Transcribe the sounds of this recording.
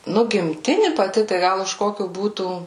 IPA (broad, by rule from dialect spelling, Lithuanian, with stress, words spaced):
ˈnʊ ɡʲɪmʲˈtʲɪnʲɪ pɐˈtʲɪ tɐɪ ˈɡɐlˠ ʊʃ ˈkoːkʲʊ ˈbuːtuː